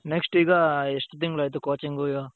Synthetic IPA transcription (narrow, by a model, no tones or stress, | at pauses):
neksʈiːɡaesʈɐt̪iŋɡulɐjt̪ekoːt͡ʃiŋɡujo